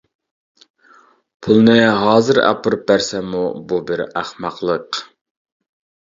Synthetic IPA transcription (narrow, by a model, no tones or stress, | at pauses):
pʰulˠnɨɦɑːzɨɾæ̰pʰɨɾɨp̚bæɾsɛmububɪɾæχmɑqlˠəq